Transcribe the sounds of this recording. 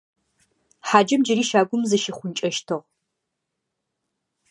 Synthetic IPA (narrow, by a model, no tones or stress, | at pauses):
ħaːd͡ʒɐmd͡ʒɪɾiːʃaːɡʷʊmzɨʃiχʷʊnt͡ʃʼɐʃtʰɨʁ